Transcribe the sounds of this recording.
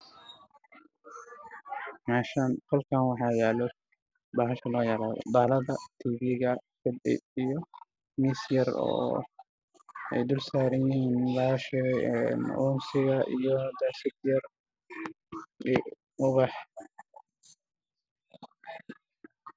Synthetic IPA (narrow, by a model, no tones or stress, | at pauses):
maːʃankʰɔlkʰaːnwɑħɑːjaːlɔ | baːɦɐʃɐlɔːjaːlaːðɔ̰b̪aːlɐðɐt̪ʰiːβɪɣɐfɪd̪ɪ̰ijɔ | misjɐrɔ̰ː | ɛjd̪ʊlsaːɾɐjjɪhiːnbaːʃɛɣɛjɛnʊːmsɪɣɐʔijɔd̪aːʃɪɡ̪jɐr | ɪ | ʊβɑħ